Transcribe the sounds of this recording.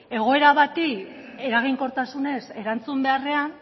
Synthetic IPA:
e̞ɣ̞o̞e̞ɾaβat̪i | e̞ɾaɣ̞iŋko̞ɾt̪asune̞se̞ɾant͡sumbe̞are̞an

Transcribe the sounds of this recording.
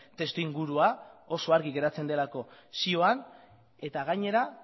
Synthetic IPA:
t̪e̞st̪uiŋɡuɾuao̞so̞aɾɣiɣe̞ɾat͡se̞nd̪e̞lako̞sio̞an | e̞t̪aɣ̞aɲe̞ɾa

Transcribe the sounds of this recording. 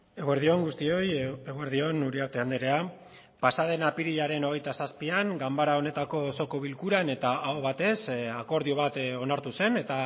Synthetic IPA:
e̞ɣoeɾðio̞ŋɡust̪io̞je̞ɣoeɾðio̞nuɾiaɾt̪e̞and̪eɾe̞a | pasað̞e̞napiɾiʎaɾe̞no̞ɣ̞e̞jt̪asaspiaŋɡambaɾao̞ne̞t̪ako̞so̞ko̞βilkuɾane̞t̪aʔaoβat̪e̞sako̞ɾðio̞β̞at̪o̞naɾt̪use̞ne̞t̪a

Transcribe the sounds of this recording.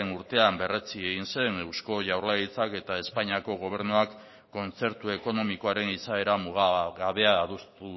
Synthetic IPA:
enuɾt̪e̞ambe̞re̞t͡sieɣinse̞newsko̞ʝawɾlait͡sake̞t̪ae̞spaɲiako̞ɣ̞o̞β̞e̞ɾnuakː | o̞nt͡se̞ɾt̪ue̞ko̞no̞miko̞aɾe̞nisae̞ɾamuɣɣaβe̞aːðust̪u

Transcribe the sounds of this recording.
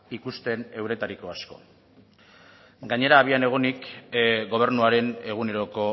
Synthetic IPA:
ikust̪e̞ne̞wɾe̞t̪aɾiko̞asko̞̰ | ɡaɲe̞ɾaːβ̞iane̞ɣ̞onikɡo̞β̞e̞rnuaɾe̞ne̞ɣ̞une̞ɾo̞ko̞

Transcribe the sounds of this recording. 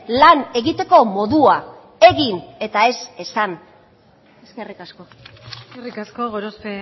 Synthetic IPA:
lane̞ɣit̪e̞ko̞mo̞ðua | e̞ɣine̞t̪ae̞se̞san | eskerikasko | eskerikaskoɣoɾospe

